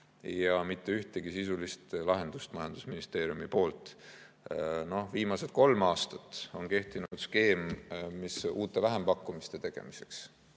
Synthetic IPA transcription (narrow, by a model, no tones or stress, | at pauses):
jɑmit̪ːe̞yht̪e̞ɡ̥isisulist̪lɑɦe̞nd̪̥ust̪mɑjɑnd̪̥usminist̪e̞ːɾjumipo̞ːlt̪ˑ | no̞hviːmɑse̞t̪̚ko̞lmɑːst̪ɑ̥t̪ˑo̞nkeht̪inud̪̥ske̞ːmmisuːt̪ːˑe̞væɦe̞mpɑkˑːumist̪e̞t̪e̞ɡ̥e̞̰mise̞̥ks